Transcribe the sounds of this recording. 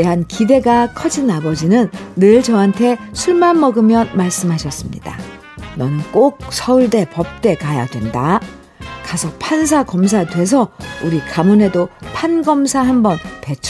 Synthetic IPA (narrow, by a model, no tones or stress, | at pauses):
eɦankide̞ɡakʰʌd͡ʑinabʌd͡ʑinɯnːɯɭt͡ɕʌɦantʰe̞sʰuɭmanmʌɡɯmjʌnmaɭs͈ɯmɦaɕʰʌs͈ɯmɲḭd̥a̰ | nʌnɯnk͈ok̚sʰʌuɭde̞pʌp̚t͈e̞kaja̰dwe̞nda | kasʰʌpʰans̬ʰakʌmsʰadwe̞s̬ʰʌuɾikamune̞dopʰanɡʌmsʰaɦanbʌnpe̞t͡ɕʰ